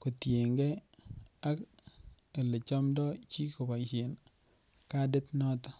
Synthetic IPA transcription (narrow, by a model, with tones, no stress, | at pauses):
ko˨tje˨ŋɡe˦ | a˦k | e˨le˨t͡ʃɔ˦mdɔ˦t͡ʃi˦ko˨ba˨t͡ʃe˨n | ka˦de˦tnɔ˦tɔ˦